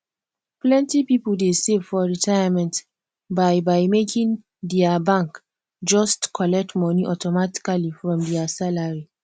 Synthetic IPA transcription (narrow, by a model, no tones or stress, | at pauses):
plɛ̃ntipipoldesevfɔɹitʰajamɛ̃nt | baɪbaɪmekĩŋ | dɛabãŋk | d͡ʒɔstkʰɔlɛk̚tmɔniʔɔtɔmati̥kalifɹɔ̃mdɛasalaɹi